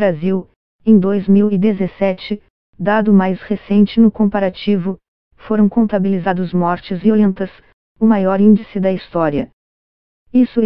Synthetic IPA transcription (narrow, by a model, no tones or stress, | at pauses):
bɾaziw | ẽj̃d̪ojzmiwid̪ezesɛt͡ʃɪ | d̪ad̪ʊmajshesẽnt͡ʃɪnʊkõpaɾat͡ʃivʊ | foɾɐ̃w̃kõnt̪abilizad̪ʊzmɔɾt͡ʃɪziolẽnt̪ɐs | ʊmajɔɾĩd͡ʒisɪd̪ɐist̪ɔɾiɐ | isʊ